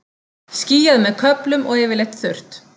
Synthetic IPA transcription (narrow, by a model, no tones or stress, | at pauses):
sciːjaðmɛðkʰœplʏmʔɔɣɛːvɪɾlejht̪θʏr̥t̪